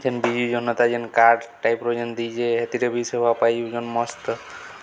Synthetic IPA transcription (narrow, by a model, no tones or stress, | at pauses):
d͡ʒenbid͡ʒid͡ʒɔnːɔt̪ad͡ʒenkaɾɖʈajpɾod͡ʒend̪id͡ʒeɦet̪iɾebʱisebʱapajuud͡ʒɔnmɔst̪